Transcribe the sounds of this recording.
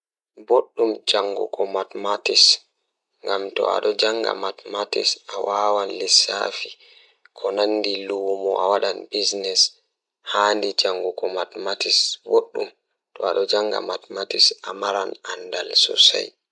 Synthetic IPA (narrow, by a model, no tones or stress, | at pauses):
boɗːumd͡ʒaŋɡṵkɔmatmatis | ŋɡamtɔ̰a̰ɗɔd͡ʒaŋɡa̰matmatḭsawaːwanlisa̰ːfi | kʰɔnanːdiluwmɔawaɗanbisnɛs | haːndid͡ʒaŋɡukɔmatmatisboɗːum | tɔaɗɔd͡ʒaŋɡa̰matmatisamaɾanandalsɔ̰sa̰j